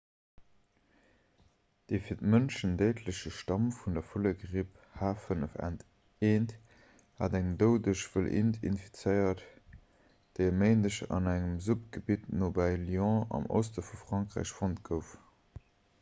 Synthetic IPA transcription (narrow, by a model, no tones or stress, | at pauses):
d̥eɪfiːɐtmənʃəndəɪtʰləɕəʃtɑmfundɐfuləɡʁip | haːfənəfæ̰nt | eːnt | haːdæŋdəʊdəʃv̥əlʔḭntʰḭnfi̥t͡səɪɐt | d̥eɪəmeɪndəʃɑ̰næŋəmzup̚ɡ̥əbitnobæljɑ̃ɑ̰mo̰ʊstəfufʁ̥ɑŋkʁæ̰ːɪɕfontɡəʊf